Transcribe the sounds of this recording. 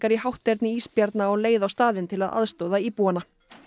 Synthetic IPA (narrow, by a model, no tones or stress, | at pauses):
kaɾiɦawht̪ːɛɾt̪nɪiːspjaɾt̪naɔɣleːjðawst̪aːðɪnt̪ʰɪlaðʔa̰ðst̪owðaiːpuːanːa